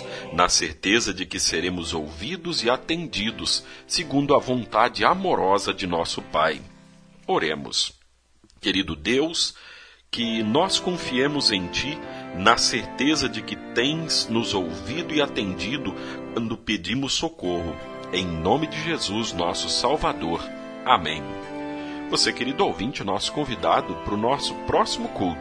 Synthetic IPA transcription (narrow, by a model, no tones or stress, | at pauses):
nɐseɾt̪ezɐd͡ʒɪkɪseɾẽmʊzowvid̪ʊzɪat̪ẽnd͡ʒid̪ʊsːɪɡũnd̪ʊɐvõnt̪ad͡ʒɪamoɾɔzɐd͡ʒɪnɔsʊpaj | oɾḛ̃mʊ̰s | keɾid̪ʊd̪ews | kɪnɔskõfiẽmʊzẽj̃t͡ʃinɐseɾt̪ezɐd͡ʒɪkɪt̪ẽj̃z̥nʊzowvid̪ʊɪat̪ẽnd͡ʒid̪ʊ | kwɐ̃nd̪ʊped͡ʒĩmʊsokohʊ | ẽj̃nõmɪd͡ʒɪʒezuznɔsʊsawvad̪oɾ | amḛ̃j̃ | vosekeɾid̪ʊowvĩnt͡ʃɪnɔsʊ̥kõvid̪ad̪ʊpɾʊnɔsʊ̥pɾɔsimʊkult̪ʊ